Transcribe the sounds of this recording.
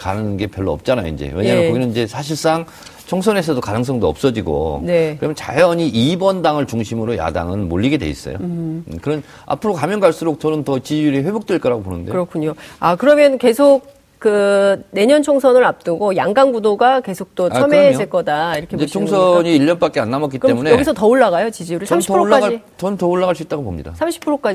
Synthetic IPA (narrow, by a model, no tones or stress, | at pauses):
kanɯnnɡe̞pjʌɭːoʌ̰p̚t͡ɕ͈anajo̰ḭnd͡ʑe̞̰weɲaŋakʌɡinɯniɲd͡ʑe̞sʰaɕ̬ʰiɭs͈aŋ | t͡ɕʰoŋsʰʌne̞s̬ʰʌdokanɯŋs̬͈ʰʌŋdoʌp̚s͈ʌd͡ʑiɡo̰ne̞kɯɾʌmjʌnt͡ɕajʌɲiʔibʌndaŋɯɭt͡ɕuŋɕʰimɯɾoja̰da̰ŋɯnmoʎːiɡe̞dḛḭs͈ʌ̰jo̰kɯɾʌn | a̰pʰɯɾokamjʌnɡaɭs͈uɾok̚t͡ɕʌnɯntʌt͡ɕiiɾiɸwe̞bok̚t͈weɭk͈ʌɾaɡoponɯ̰ndeɯɾʌkʰuɲoakɯɾʌmjʌnke̞sʰok̚ | k͈ɯne̞ɲʌnt͡ɕʰoŋsʰʌnɯɾap̚t͈ɯɡojaŋɡanɡudoɡake̞sʰok̚t͈ot͡ɕʌmed͡ʑeɭk͈ʌdaiɾʌkʰːed͡ʑeɕt͡ɕʰoŋsʰʌɲiːʎːʌnp͈ak͈eanːamʌk͈it͈emune̞ʌɡisʰʌtʌoɭːaɡajot͡ɕid͡ʑijuɾɯɭʰamɕʰiɾoɭ͈ːad͡ʑait͡ɕʌnɯntʌoɭːaɡaɭs͈uit͈aɡopomɲḭda̰sʰamɕʰi̥pʰɯɾok͈ad͡ʑi